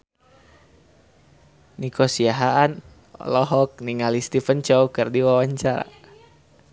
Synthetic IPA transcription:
nikɔsiaɦaan̰ | lɔɦɔk̚niŋalist̪ifənt͡ʃɔwkərdiwawaɲt͡ʃaɾa̰

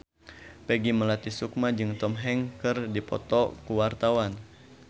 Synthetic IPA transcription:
pɛɡiməlat̪isuk̚mad͡ʒɨŋt̪ɔmɦɛŋkɨrdipɔ̰t̪ɔkuwart̪awan

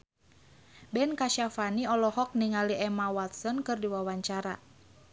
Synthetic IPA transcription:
bɛnkaʃafaniɔlɔhɔk̚niŋaliʔɛmawat̪̚sɔnkɨrdiwawaɲt͡ʃaɾa̰

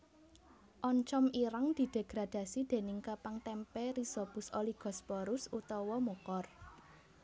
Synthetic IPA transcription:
ʔɔɲt͡ʃɔmiɾaŋd̪̥i̤d̪̥e̤ɡ̥ɾad̪̥a̤sid̪̥e̤nɪŋkapaŋt̪ɛmpɛɾisɔb̥ʊ̤soliɡ̥ɔ̤spɔɾʊsut̪ɔwɔmukɔr

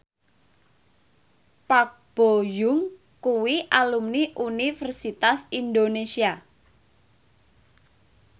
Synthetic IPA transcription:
pak̚b̥ojʊŋ | kuwiʔalumniʔunifərsit̪asind̪onesia

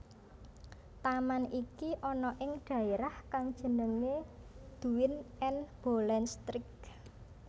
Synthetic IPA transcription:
t̪amanikiʔɔnɔʔɪŋɖ̪̥ä̤eɾahkaŋd̥ʒ̥ə̤nəŋed̪̥ṳwɪnɛnb̥olɛnst̪ɾɪk̚

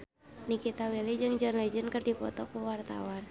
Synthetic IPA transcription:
nikit̪awilid͡ʒɨŋd͡ʒanlɛd͡ʒənkərdipɔt̪ɔkuwart̪a̰wan

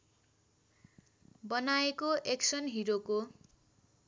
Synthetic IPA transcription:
bʌnaekoʔeksʌnɦiɾoko

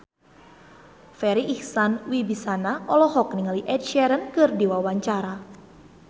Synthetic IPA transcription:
fɛɾiʔihsanwibisanaɔlɔhɔk̚niŋaliʔɛt̚ʃɛɾənkɨrdiwawaɲt͡ʃaɾa

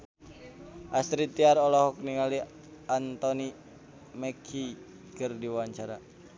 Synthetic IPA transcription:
ʔast̪ɾit̪iaɾɔlɔɦɔk̚niŋali | ant̪ɔni | mɛkʰi | kərdiwaɲt͡ʃaɾa

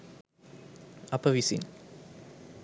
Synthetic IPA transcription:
apəvisḭn

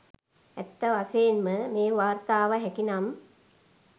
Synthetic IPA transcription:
æt̪ːəʋasejːnməmeːʋaːrt̪aːʋəɦɛkinam

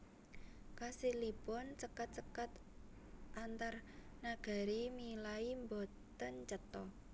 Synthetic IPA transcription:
kasilipɔnsəkat̪̚səkat̪ | ʔant̪arnaɡ̥a̤ɾimilaimbot̪ənt͡ʃət̪ɔ

